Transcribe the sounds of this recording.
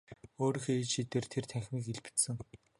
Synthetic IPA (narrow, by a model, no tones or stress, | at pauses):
oːɾiːxeeːt͡ɕʃit̪eːrt̪ʰert̪ʰæxʲmiːkeɮpɘ̥̆t̪sɘ̆ŋ